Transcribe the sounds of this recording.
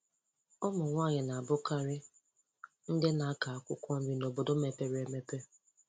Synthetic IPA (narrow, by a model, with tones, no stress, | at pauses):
ʊ˦mʊ˨ŋʷa˦˨ɲɪ˨na˨a˨bʊ˦ka˦ɾɪ˦ | n̩˦dɪ˦na˨a˦ka˨a˨kʷʊ˦kʷɔ˦m̩˦bi˦no˨bo˨do˦me˨pe˦ɾe˨me˦pe˦